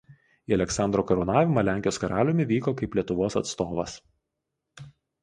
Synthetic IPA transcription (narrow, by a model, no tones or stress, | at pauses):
iːɐlʲɛksɑnd̪ɾoːkɐɾɔʊnɑːʋʲɪmɐlʲæˑŋʲkʲjoːskɐɾɑːlʲʊmʲɪʋʲiːkoːkɐɪplʲiɛt̪ʊʋoːsɐ̰t̪st̪oːʋɐ̰s